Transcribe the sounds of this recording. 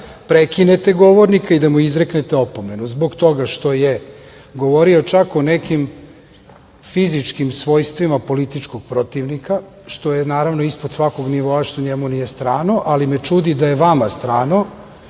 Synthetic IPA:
pɾekinet̪e̞ɡo̞ʋoɾnikaid̪amuizɾe̞knet̪eopome̞nuzboɡt̪o̞ɡaʃt̪o̞je | ɡo̞ʋo̞ɾio̞t͡ʃakonekim | fizit͡ʂkimsʋo̞jst̪ʋimapo̞lit̪it͡ʃko̞ɡ̥̚pɾo̞t̪iʋnika | ʃt̪ojenaːɾaʋnoispod̪sʋako̞ɡniʋo̞aʃt̪oɲemunijest̪ɾaːno̞ʔalimet͡ʃud̪id̪ajeʋamast̪ɾaːno̞

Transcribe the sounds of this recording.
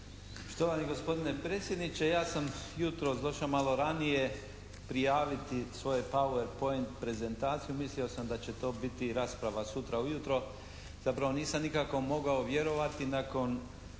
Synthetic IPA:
poʃt̪oʋaniɡo̞spo̞d̪ine̞pɾeːt̪sje̞d̪nit͡ɕe̞jaːsamjut̪ɾosd̪oʃamalo̞ɾanije̞ | pɾijaːʋit̪isʋo̞jepaueɾpo̞ent̪̚pɾe̞ze̞nt̪aːt̪sijumislio̞samd̪at͡ɕe̞t̪o̞ːbit̪iɾaːspɾaʋasut̪ɾaujut̪ɾo̞ | z̥apɾaʋo̞niːsamnikako̞mo̞ɡaoʋje̞ɾo̞ʋat̪inako̞n

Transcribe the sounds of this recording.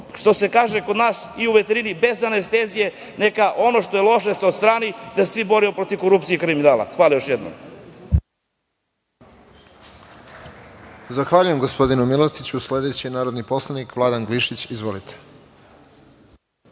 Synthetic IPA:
ʃt̪o̞se̞kaːʒeko̞d̪naːsiuʋe̞t̪eɾinibe̞zanest̪eːzije | ne̞kaʔo̞no̞ʃt̪o̞jelˠo̞ʃesed̪st̪ɾaːnid̪asesʋibo̞ɾimopɾo̞t̪iko̞ɾup̚t̪ijeikɾiminaːlˠa̰xʋaːlajo̞ʃjed̪no̰m | zaxʋaːʎuje̞mɡospo̞d̪inumilat̪it͡ɕusle̞d̪et͡ɕienaːɾod̪nipo̞slˠanikʋlˠaːd̪anɡliʃit͡ɕizʋo̞lit̪ʰe̥

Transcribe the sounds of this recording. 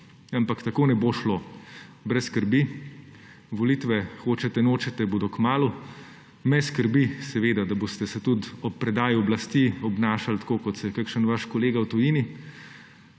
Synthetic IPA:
ampakt̪akoːnɛboʃlobɾɛsskəɾbi | ʋɔliːt̪ʋɛxoːt͡ʃɛt̪ɛnoːt͡ʃɛt̪ɛboːd̪ɔkmaːlu | mɛskəɾbisɛʋeːd̪ad̪aboːst̪ɛsɛt̪ut̪ɔpːɾɛd̪aːjuɔblast̪iɔbnaːʃalt̪koːkɔt̪sɛkakʃənʋaʃkɔleːɡawt̪ujiːni

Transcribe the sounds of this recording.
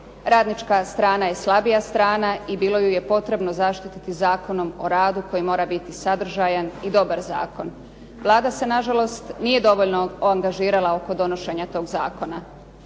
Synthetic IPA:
ɾaːd̪nit͡ʃkast̪ɾaːnaje̞slˠabijast̪ɾaːnaibiːlo̞juje̞po̞t̪ɾe̞bno̞zaʃt̪it̪it̪izaːkono̞mo̞ɾaːd̪uko̞jimo̞ːɾabit̪isad̪ɾ̩ʒajanid̪o̞baɾza̰ːko̞n | ʋlˠaːd̪ase̞naʒalo̞st̪niːje̞d̪o̞ʋoʎno̞oaŋɡaʒiːɾalˠao̞ko̞d̪o̞no̞ʃe̞ɲat̪o̞ːɡzaːko̞na

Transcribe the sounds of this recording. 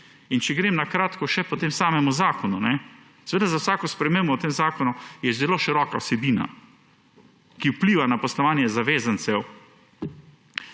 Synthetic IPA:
int͡ʃɛɡɾeːmnakɾaːt̪kɔʃɛpɔt̪eːmsaːmɛmuzaːkɔnunɛ | sɛʋeːd̪azawsaːkɔspɾɛmembɔt̪eːmzaːkɔnujɛzɛloːʃiɾɔːkaɔsɛbiːna̰ | kiwpliːʋanapɔslɔʋaːnjɛzaʋeːzansɛw

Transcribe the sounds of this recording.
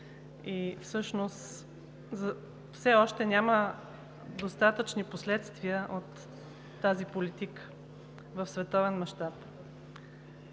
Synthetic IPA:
ifsɤʃnos | zə | fsɛɔʃt̪ɛnʲamə | d̪ost̪at̪ət͡ʃniposlɛt̪st̪viəʔot̪ː | azipolit̪ikə̥ | vəfsvɛt̪ɔvɛnmɐʃt̪ap

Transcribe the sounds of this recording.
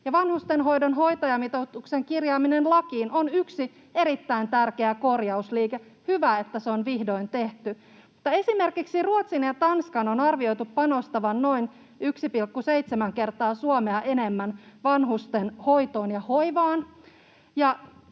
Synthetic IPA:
jɑʋɑnhust̪enɦo̞idonɦo̞jt̪ɑjɑmit̪ot̪ukseŋkirjɑːminenlɑkiːnʔonyksi | e̞ɾit̪ːæint̪ærkeæko̞rjɑusliːke | hyʋæet̪ːæseo̞nʋihdo̞int̪e̞ht̪y | mut̪ːɑe̞sime̞rkiksiruot̪sinjɑt̪ɑnskɑnonɑrʋio̞jt̪upːɑno̞st̪ɑʋɑnːo̞in | yksipilkːuseit̪semæŋke̞rt̪ɑːsuomeɑʔene̞mːænʋɑnɦust̪enho̞jt̪o̞ːnjɑhoiʋɑːn | jɑ

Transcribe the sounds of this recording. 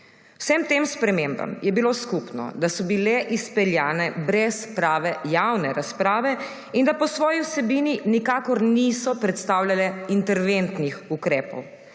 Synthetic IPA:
wsɛmt̪emspɾɛmemba̰mjɛbiloskupnɔ̰d̪asɔbilɛʔispɛljaːnɛbɾɛspɾaːʋɛjawnɛɾaspɾaːʋɛ | ind̪apɔsʋɔːjiwsɛbiːninikaːkɔɾnisɔpɾɛt̪st̪aːwlʲalɛint̪ɛɾʋent̪nixukɾɛːpɔ̰w

